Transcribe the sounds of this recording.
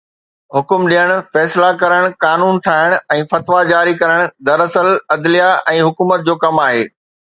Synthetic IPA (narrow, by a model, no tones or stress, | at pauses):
ɦʊkʊmɗijəɽ̃fɛːslakɐɾəɽ̃kaːnuːnʈʰaːɦɪɽ̃ɛ̃ːfɐt̪ʋad͡ʑaːɾikɐɾəɽ̃̆d̪ɐɾɐsəlɐd̪lijaʔɛ̃ːɦʊkuːmət̪̚d͡ʑoːkɐmaːɦeː